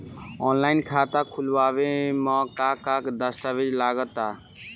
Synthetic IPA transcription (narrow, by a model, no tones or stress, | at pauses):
ɔnlainkʰat̪akʰulbabemɔkakakd̪əst̪abed͡ʒlaɡət̪a